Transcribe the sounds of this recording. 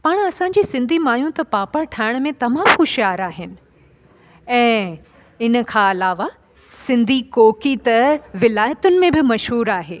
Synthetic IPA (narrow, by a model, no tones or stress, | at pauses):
paːɽ̃ɐsãːɲd͡ʑiːsɪ̃nd̪ʱimaːjũt̪ɐpaːpəɾʈʰaːɪɽ̃mẽt̪ɐmãːmxʊʃjaːɾaːɦɪnɪ̆ | ɛ̃ː | ɪnə̆kʰãɐlaːʋa | sɪ̃nd̪ʱikoːkit̪ɐʋɪlaːjət̪ʊnɪ̆mẽbɪmɐʃɦuːɾaːɦeː